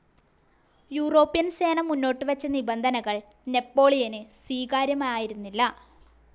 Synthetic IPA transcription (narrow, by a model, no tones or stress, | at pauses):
juːro̞ːpːijɐnse̞ːnɐmːunːo̞ːʈːɨʋɐt͡ɕːɐnibɐnd̪ʱɐnɐɣɐɭ | ne̞pːo̞ːɭijɐnɨswiːkaːɾjɐmaːjaːjiɾunːilːɐ